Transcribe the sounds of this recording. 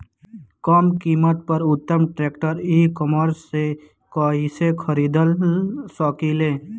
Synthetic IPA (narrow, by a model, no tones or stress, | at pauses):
kɔːmkiːmət̪̚pəɾʊt̪ːəmʈɾeːkʈəɾiːkəməɾse | kaːɦisekʰəɾiːd̪əlsəkileː